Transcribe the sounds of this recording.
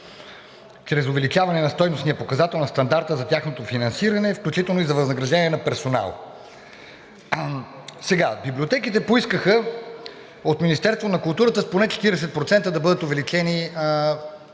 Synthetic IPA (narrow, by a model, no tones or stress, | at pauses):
t͡ʃɾɛzʊvɛlit͡ʃavɐnɛnɐst̪ɔjnosnijɐpokɐzat̪ɛlˠnɐst̪ɐnd̪aɾt̪əzɐt̪ʲaxnot̪ofinɐnsiɾɐnɛfklʲut͡ʃit̪ɛlˠnoizɐvɐznɐɡɾɐʒd̪ɛniɛnɐpɛɾsona̰lˠ | sɛɡabibliot̪ɛkit̪ɛpoiskəxə | ot̪minist̪ɛɾst̪vonɐkʊlˠt̪uɾət̪əsponɛt͡ʃɛ̥t̪iɾɛsɛt̪̚pɾot̪sɛnt̪əd̪ɐbɤd̪ət̪ovɛlit͡ʃɛni